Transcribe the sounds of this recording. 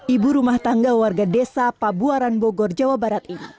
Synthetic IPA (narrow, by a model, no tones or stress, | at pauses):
ibuɾumaht̪aŋɡawarɡadesapabuaɾanboɡɔrd͡ʒawabaɾat̪ini